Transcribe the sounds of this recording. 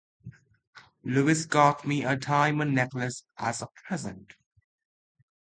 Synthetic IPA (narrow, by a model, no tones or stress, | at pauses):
luɪsɡɔtmiətʰãɪ̃mə̃nːɛkləsʔəzəpʰɹɛzə̃nt